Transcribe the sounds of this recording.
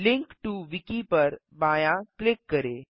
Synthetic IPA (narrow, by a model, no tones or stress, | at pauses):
lɪ̃ŋkʈuʋɪkipɐɾ | baːjãklɪkːɐɾeː